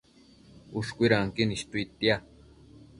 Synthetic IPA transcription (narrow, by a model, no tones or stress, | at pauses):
uʃkʷiɾaŋkiniʃt̪uit̪ia